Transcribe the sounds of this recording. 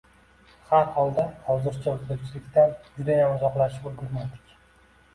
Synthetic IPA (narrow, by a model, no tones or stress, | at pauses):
haɾhɒlˠd̪ahɒwzɪɾt͡ʃʰaokd̪ʊɾt͡ʃʰɪlɪkʲt̪and͡ʒʊd̪ajamʊzɒqlˠaʃɪpɵlˠɡʲʊɾmad̪ɪ̥kʲ